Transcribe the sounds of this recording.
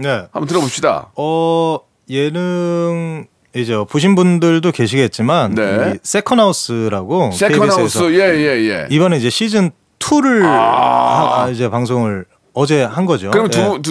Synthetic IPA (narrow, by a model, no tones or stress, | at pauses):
ne̞ha̰mbʌnt̬ɯɾʌbopɕ͈ida̰ʌ | jenɯŋ | id͡ʑe̞ʌpoɕ̬ʰinbundɯɭdoke̞ɕʰiɡe̞t̚t͡ɕ͈imannes͈ʰe̞kʰʌnɦaus͈ɯɾaɡoeiiesesʰʌjejejḛibʌneid͡ʑe̞ɕʰid͡ʑɯn | tʰuɾɯɭhaid͡ʑe̞paŋs̬ʰoŋɯɭ | ʌd͡ʑe̞hanɡʌd͡ʑokɯɾim